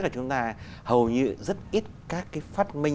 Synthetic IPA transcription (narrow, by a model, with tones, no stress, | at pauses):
kaː˨˩t͡ɕʊ˨˦ŋ͡mt̪aː˧hə˨˩wɲɨ̰˧˨zə˦˥t̚ʔi˦˥t̚kaː˦˥kːaː˨˦jfaː˦˥t̚mï˧ŋ